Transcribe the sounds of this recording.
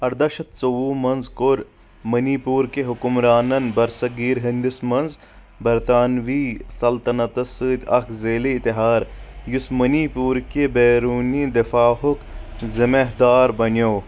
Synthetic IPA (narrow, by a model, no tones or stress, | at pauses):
ɐɾd̪ɐʃɐt̪̚t͡soʋuːmɐnzkoɾ | mɐniːpuːɾkeɦʊkʊmɾaːnɐnbɐɾsɐɡiːɾɦɪnd̪ɪsmɐnz | bɐɾt̪aːnʋiːsɐlt̪ɐnɐt̪ɐsɨːt̪ʲɐkʰzeːliːt̪ɪɦaːɾjʊsmɐniːpuːɾkebeːɾuːniːd̪ɐfaːɦʊkzɪmeɦd̪aːɾbɐnjoː